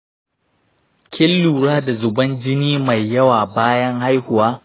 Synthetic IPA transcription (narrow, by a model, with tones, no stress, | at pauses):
kʲʰɪ˦lːuː˨ɽaː˦da˨zʊ˨bɐ˦nd͡ʒɪ˦niː˦ma˨jːɐ˦waː˨baː˦jɐ˦ŋha˦jhʊ˨waː˦